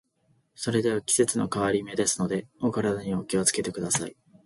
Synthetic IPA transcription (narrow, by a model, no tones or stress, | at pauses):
so̞ɾe̞d̪e̞β̞akʲi̥se̞t͡sɨno̞kaβaɾʲime̞d̪e̞sɨno̞d̪e̞okaɾad̪aɲ̟io̞kʲio̞t͡sɨ̥ke̞t̪e̞kɯ̟d̪asai